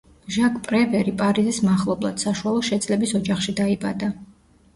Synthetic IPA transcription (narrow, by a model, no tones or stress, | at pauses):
ʒakʰʼpʼɾɛvɛɾipʼaɾizismaχlˠɔblˠa̰d̪̥saʃualˠɔʃɛt̪sʼlɛbisɔd͡ʒaχʃid̪aibʼa̰d̪a